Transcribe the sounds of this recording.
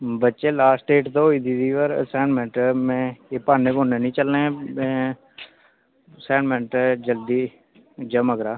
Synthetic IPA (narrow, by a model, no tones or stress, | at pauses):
bətːʃeːlaːsʈeːʈt̪oɦoːiːd̪id̪iːʋəɾsɛːɳmɛ̃ɳʈmɛ̃ːeːpaːneːboːneːnĩːt͡ʃəlnẽːmɛ̃ː | sɛːɳmɛ̃ɳʈd͡ʒəld̪iː | d͡ʒəməɡɾaː